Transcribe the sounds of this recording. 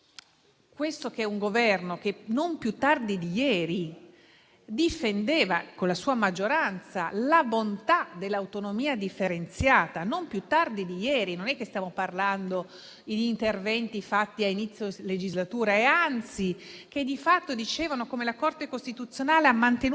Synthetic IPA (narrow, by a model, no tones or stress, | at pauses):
kwest̪ok̟ɛuŋɡovɛrnok̟enompjut̪ːard̪id̪ijɛːɾi | d̪ifend̪eːvakonlasuːamad͡ʒːoɾant̪salabont̪ad̪elːawt̪onomiːad̪ifːeɾent̪sjaːt̪anompjut̪ːard̪id̪ijɛːɾinonɛkːest̪jaːmoparland̪o | id̪ːnt̪ervɛnt̪ifat̪ːiainit̪sːjoled͡ʒizlat̪uːɾaɛant̪sik̟ed̪ifat̪ːod̪it͡ʃeːvanokomelakort̪ekost̪it̪ut̪sːjonaːleamːant̪en